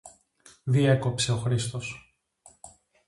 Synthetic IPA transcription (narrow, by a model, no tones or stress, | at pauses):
ðieko̞pse̞o̞xɾist̪o̞s